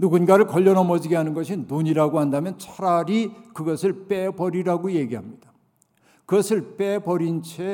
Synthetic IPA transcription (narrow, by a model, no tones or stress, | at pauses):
nuɡunɡaɾɯɭkʌʎːʌnʌmʌd͡ʑiɡeɦanɯnɡʌɕʰinːuɲiɾaɡoɦandamjʌnt͡ɕʰaɾaɾikɯɡʌsʰɯɭp͈ebʌɾiɾaɡojeɡiɦamɲid̥a | kɯɡʌsʰɯɭp͈ebʌɾint͡ɕʰe